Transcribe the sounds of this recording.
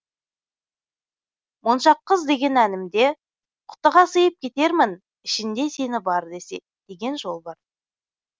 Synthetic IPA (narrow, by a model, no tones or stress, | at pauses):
monʃɑqːəzd̪e̞ɡʲe̞nænɪmd̪e̞ | qʰʊ̥t̪əʁɑsəjəp̚kʲʰe̞t̪e̞ɾmɪn | ɪʃɪnd̪e̞se̞nɪbɑɾd̪e̞se̞̰ | d̪̥e̞ɡʲe̞nʒo̞lˠbɑɾ